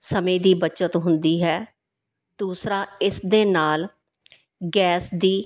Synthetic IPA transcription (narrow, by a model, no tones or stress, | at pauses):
səmẽːd̪iːbət͡ʃət̪ɦʊnd̪iːɦɛː | d̪uːsɾaːɪsd̪eːnaːl | ɡɛːsd̪iː